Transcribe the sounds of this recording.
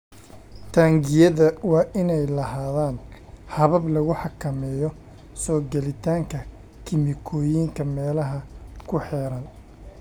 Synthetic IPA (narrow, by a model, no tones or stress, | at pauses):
t̪ʰaːŋɡɪjɐðɐwɑːʔɪnɛjlɐɦaːðaːn | hɐβɐblɐɣʊħɑkʰɐmɛːjɔ | sɔːɡɛlɪt̪ʰaːŋkʰɐ | kʰɪmɪkʰɔːjiːŋkʰɐmɛːlɐɦɐkʰʊħɛːɾɐn